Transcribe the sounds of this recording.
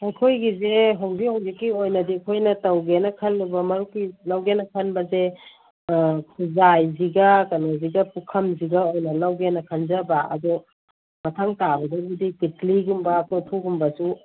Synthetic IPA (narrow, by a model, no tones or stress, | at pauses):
ajkʰojɡizeɦowbihoŋɡikːiojnɐdikʰojnɐtɐwɡenɐkʰɐlːubɐmɐɾukːilawɡenɐkʰɐnbɐze | kʰuzajziɡɐkɐnoziɡɐpukʰɐmziɡaojnɐlawɡenɐkʰanzɐbaɐ̰d̪ɔ | mɐtʰaŋtabɐdaɡidikitliɡumbɐkʰɔtʰuɡumbɐsu